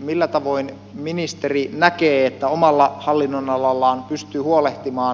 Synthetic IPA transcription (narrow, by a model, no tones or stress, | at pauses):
milːæt̪ɑʋo̞in | minist̪erinækeːet̪ːæomɑlːɑhɑlːinːonɑlɑlːɑːnpyst̪yːhuoleht̪imɑː